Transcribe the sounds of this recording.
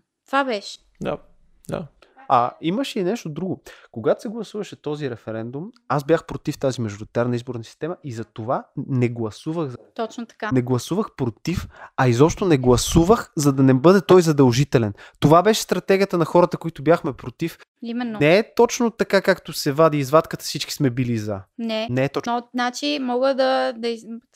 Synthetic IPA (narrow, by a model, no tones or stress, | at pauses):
t̪vabɛʃɛ̥ | d̪a̰ | d̪a̰ɐiməʃɛinɛʃt̪od̪ɾuɡokoɡat̪o̥sɛɡlˠɐsuvɐʃɛt̪ɔziɾɛfɛɾɛnd̪umasbʲjaxpɾot̪ift̪azimɐʒoɾit̪aɾnɐizboɾnɐsi̥st̪ɛmɐʔizɐt̪ovanɛɡlˠɐsuvəxt̪ɔt͡ʃnt̪ɐ̥kanɛɡlˠɐsuvəxpɾot̪ifɐizɔpʃt̪onɛɡlˠɐsuvəxzɐd̪ɐnɛbɤd̪ɛt̪ɔjzɐd̪ɐlˠʒit̪ɛlɛnt̪ovabɛʃɛ̥st̪ɾɐt̪ɛɡʲiət̪ənɐxɔɾət̪əkoit̪ʊbjaxmɛpɾot̪if | imɛnːonɛɛt̪ɔt͡ʃnot̪ɐkakakt̪osɛvad̪iːzvat̪kət̪ə̥sit͡ʃki̥smɛbilizanɛnɛɛt̪ɔnat͡ʃimɔɡəd̪ɐd̪ɐi